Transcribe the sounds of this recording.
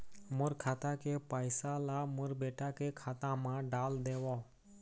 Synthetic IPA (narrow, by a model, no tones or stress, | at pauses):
mʊɾkʰaːt̪ãkepaːɪsalamʊɾbeːʈakekʰaːt̪ãmãɖaːld̪eːʋoː